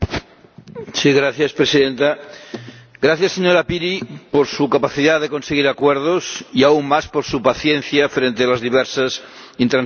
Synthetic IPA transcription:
siɣɾaθjaspɾesiðent̪a | ɡɾaθjaseɲoɾapiɾipoɾsukapaθiðaðekonseɣ̞iɾakweɾð̞osiauŋmaspoɾsupaθjen̟θjafɾent̪ealazðiβɛɾsas | int̪ɾan

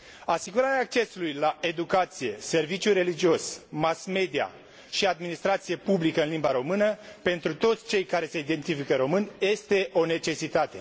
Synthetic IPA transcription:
asiɡuɾaɾeaːk̚t͡ʃe̞sulujlae̞d̪ukat̪sije̞se̞rvit͡ʃʲuɾe̞lid͡ʒio̞smasme̞d̪ia̰ | ʃiad̪minist̪ɾat̪sije̞publikəɨnlimbaɾo̞mɨnəpe̞nt̪ɾut̪o̞t̪sʲt͡ʃe̞jkaɾe̞seid̪e̞nt̪ifikəɾo̞mɨnʲje̞st̪e̞ʔo̞ne̞t͡ʃe̞sit̪at̪e̞̰

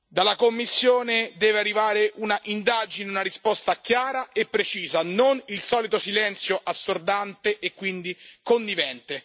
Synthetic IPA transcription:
d̪alakomːisːjoːned̪ɛːvearːivaːɾeʔunaʔind̪ad͡ʒineunaɾispɔst̪akjaːɾaepːɾet͡ʃiːzanonilsɔːlit̪osilɛnt̪sjoʔasːord̪ant̪eʔekːwind̪ikond̪ivɛnt̪e

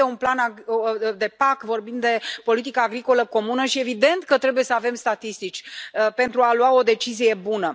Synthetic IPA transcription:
eunplanad̪e̞pakvo̞rbind̪d̪e̞po̞lit̪ikaːɡɾiko̞ləko̞munəʃie̞vid̪e̞nt̪kət̪ɾe̞buje̞səave̞mst̪at̪ist̪it͡ʃʲpe̞nt̪ɾualuwao̞d̪e̞t͡ʃizije̞bunə

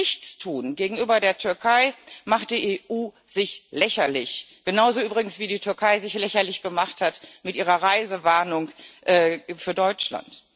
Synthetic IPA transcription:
ɪçt͡stʰuːnɡeːɡŋ̩yːbɐdeːɐtʰʏɐkʰaɪmaχt̚d̥iːʔeːʔuː | z̥ɪçlɛçɐlɪçɡ̥ənaʊzoʔyːbʁɪɡŋ̩sv̥iːdiːtʰʏɐkʰaɪzɪçlɛçɐlɪçɡ̥əmaχthatmɪtʔiːʁɐʁaɪzəvaɐnʊŋʔɛːfyːɐdɔʏt͡ʃla̰nt

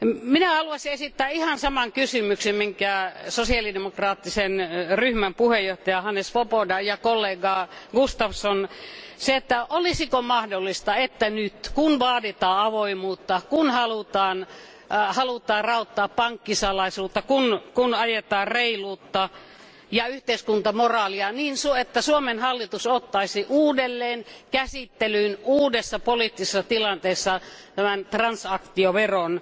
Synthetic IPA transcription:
minæhɑluɑsiesit̪ːæːihɑnsɑmɑŋkysymyksemmiŋkæˑsosiɑlidemokrɑːt̪ːisenryhmæmpuhejoht̪ɑjɑhɑnːesʋopodɑjɑkolːeːɡɑɡust̪ɑfsonseet̪ːæʔolisikomɑhdolːist̪ɑet̪ːænyt̪kunʋɑːdit̪ɑːɑʋoimuːt̪ːɑkunhɑlut̪ɑːn | hɑlut̪ˑɑːrrɑut̪ːɑːppɑŋkːisɑlɑisuːt̪ːɑkunkunɑjet̪ɑːrreiluːt̪ːɑ | jɑyht̪eiskunt̪ɑmorɑːliɑniːnsuet̪ːæsuomenhɑlːit̪usot̪ːɑisiʔuːdelːeːnkæsit̪ːelyːnuːdesːɑpolit̪ːisesːɑt̪ilɑnt̪eːsːɑt̪æmænt̪rɑnsɑkt̪ioʋeron

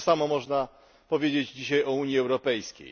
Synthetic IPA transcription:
samɔmɔʐna | pɔvʲjed͡ʑed͡ʑd͡ʑiɕajɔuɲjiɛwɾɔpɛjskʲḛj

